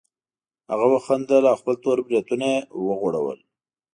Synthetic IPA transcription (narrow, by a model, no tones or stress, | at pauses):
ha̰ɣawaxand̪alɑxpəlt̪oɾbɾet̪unawəɣoɽa̰wə̰l